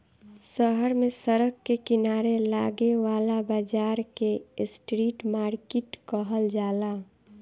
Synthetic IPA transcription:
səɦəɾmesəɾəkːekɪnaɾelaɡeʋaːlabad͡ʒaːɾkesʈɾiʈmaːɾkiʈkəɦəld͡ʒaːla

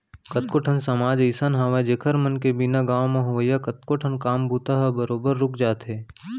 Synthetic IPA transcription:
kət̪̚koːʈʰənsɐmaːd͡ʒəjsənɦɐʋad͡ʒeːkʰəɾmənkebɪnaɡaːwmɐ̃ɦʋəjakɐt̪̚koːʈʰənkaːmbʱuːt̪aɦɐbəɾoːbəɾːʊkʰd͡ʒaːt̪ɦeː

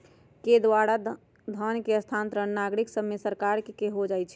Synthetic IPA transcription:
ked̪waɽa | d̪ʱənkeəst̪ʰant̪ɾənnaɡɾiksəbːesəɾkaɾkekeɦod͡ʒajt͡ʃʰɛ

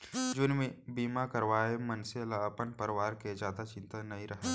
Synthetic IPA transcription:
d͡ʒʊnmebiːmakəɾʋaːemɐnselapənpəɾɪʋaːɾked͡ʒjaːd̪at͡ʃɪ̃nt̪anɐɦĩɾɐɦe

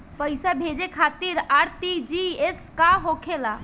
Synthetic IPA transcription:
pəjsabʱed͡ʒekʰat̪iɾaɾt̪id͡ʒieskaɦokʰela

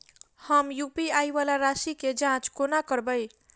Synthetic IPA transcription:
həmjupiajbalaɾasiked͡ʒãt͡ʃkonakəɾbəj

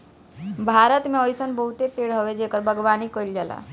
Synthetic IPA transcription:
bʱaɾət̪mẽɔjsənbəɦut̪epeɽɦoʋed͡ʒekəɾbʱəɡʋanikəild͡ʒala̰

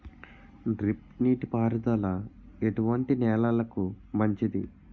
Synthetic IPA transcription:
ɖɾipniːʈipaːɾɐd̪ɐlɐ | eʈuʋɐɳʈinɛːlaːlɐku | mɐɲt͡ʃid̪ḭ

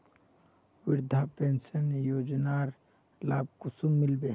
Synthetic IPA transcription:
wɪɾd̪ʱapeːnsənjoːd͡ʒnaːɾ | laːb̚kusumːɪlbe

